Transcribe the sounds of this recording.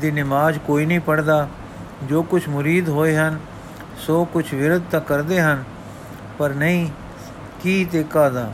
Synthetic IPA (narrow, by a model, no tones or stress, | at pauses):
d̪iːnɪmaːd͡ʒkoːiːnəɦĩːpəɽd̪aː | d͡ʒoːkʊt͡ʃʰmʊɾiːd̪ɦoːeɦən | soːkʊt͡ʃʰʋɪɾʊd̪̚t̪akəɾd̪eːɦən | pəɾnəĩː | kiːt̪eːkaːd̪aː